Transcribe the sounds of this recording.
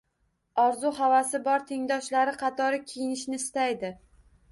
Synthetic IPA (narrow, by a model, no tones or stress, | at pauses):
ɒɾzʊɦavasɪbɒɾt̪ʰeŋd̪ɒʃlaɾɪqʰɑt̪ʰɒɾɪkʲʰejɪnɪʃnɪst̪ajd̪ɪ